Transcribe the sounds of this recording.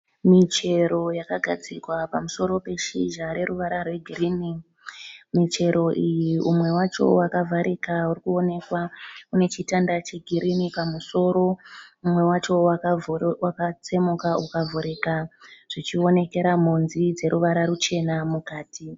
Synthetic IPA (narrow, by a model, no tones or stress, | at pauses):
mit͡ʃe̞ɾo̞jakaɡʱad͡zikwapamuso̞ɾo̞pe̞ʃiʒaɾe̞ɾuʋaɾarwe̞ɡʱirini | mit͡ʃe̞ɾo̞ʔijiʔumwe̞wat͡ʃo̞̰wakavʱaɾʔikaurikuo̞ne̞kwaune̞t͡ʃitandat͡ʃe̞ɡʱiɾinipamuso̞ːɾo̞umwe̞wat͡ʃo̞wakwakat͡se̞mukaukavʱuɾekaʐ̥it͡ʃio̞ne̞ke̞ɾam̤onzid͡ze̞ɾuʋaɾaɾut͡ʃe̞namukaːtʰi